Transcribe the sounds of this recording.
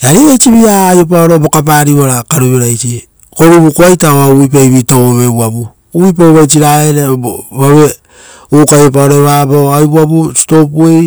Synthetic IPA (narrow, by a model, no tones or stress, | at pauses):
aɾiβajt͡ʃiβiajop̬aoɾobo̞kap̬aɾiaɾakaɾuβeɾajt͡ʃi | koɾuβukoajtaoauip̬aβitooβeβwaβu | uβip̬aoβajt͡ʃiɾaeɾeboβaβe | ukajop̬aoɾoβaboajβuabusi̥to̞puej